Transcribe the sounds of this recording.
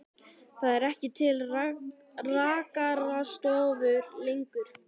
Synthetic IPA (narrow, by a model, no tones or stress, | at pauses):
θaðɛɾɛhcɪt̪ʰɪl | raːkaɾast̪ɔːvʏɾlejŋkʏɾ̥